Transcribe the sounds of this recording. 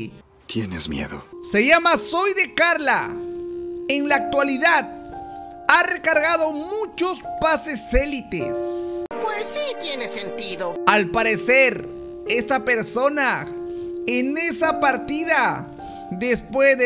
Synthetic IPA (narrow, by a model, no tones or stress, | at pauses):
t̪jenezmjḛðo̰se̞ʝamaso̞jðe̞kaɾla̰ | enlaːk̚t̪waliðað | are̞kaɾɣaðo̞mut͡ʃospase̞selit̪ḛspwesːit̪jenesent̪iðoalpaɾe̞se̞ɾ | e̞st̪ape̞ɾso̞na | enesapaɾt̪iða | ðe̞spwezde